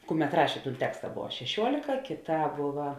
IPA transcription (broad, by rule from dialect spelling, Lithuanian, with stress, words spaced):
ˈkʊˌmʲɛt ˈrɑːʃʲeː ˈtuːn ˈtʲæːkstɐ ˈboːʋɐ ʃʲɛˈʃʲuɔlʲɪkɐ kʲɪˌtɑː ˈboːʋɐ